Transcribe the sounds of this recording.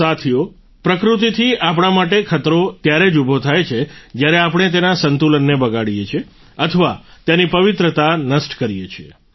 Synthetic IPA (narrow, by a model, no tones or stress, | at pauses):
sat̪ʰijo | pɾəkɾut̪it̪ʰiʔap̬əɽ̃amaʈekʰət̪ɾot̪jaɾed͡ʒubʱot̪ʰajt͡ʃʰed͡ʒjaɾeapəɳ̃et̪enasənt̪ulənːebəɡaɽijet͡ʃʰie | ət̪ʰəʋat̪janipəʋit̪ɾət̪anəsʈkəɾijet͡ʃʰiḛ